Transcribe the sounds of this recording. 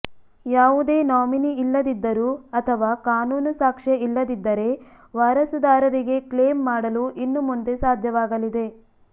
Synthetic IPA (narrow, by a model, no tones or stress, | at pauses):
jaːʋud̪e̞ːnaːminiilːɐd̪id̪ːɐɾuːɐt̪ʰɐʋaːkaːnuːnusaːkʂeilːɐd̪id̪ːɐɾe̞ | ʋaːɾɐsud̪aːɾɐɾiɡe̞kleːmːaːɽɐluʔinːumund̪e̞saːd̪ʱjɐʋaːɡɐlid̪e̞